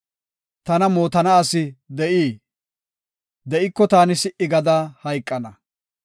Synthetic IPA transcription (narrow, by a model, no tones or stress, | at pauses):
t̪ɐnɐmoːt̪ɐnɐːsɪd̪ɛʔiː | d̪ɛʔɪkːɔt̪aːnɪsɪʔɪɡɐd̪aːhɐjkʼːɐnɐ